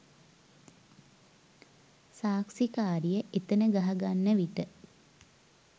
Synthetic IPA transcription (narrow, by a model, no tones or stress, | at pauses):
saːksikaːɾijəʔet̪ənəɡaɦaɡanːəʋiʈə